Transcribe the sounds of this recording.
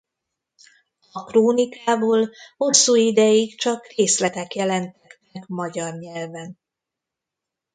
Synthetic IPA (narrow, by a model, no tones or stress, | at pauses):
ɒkroːnikaːboːlho̞sːuːid̪ɛjikt͡ʃɒkreːslɛt̪ɛkjɛlɛnt̪ɛt̪ːɛkmɒɟɒrɲɛlvɛn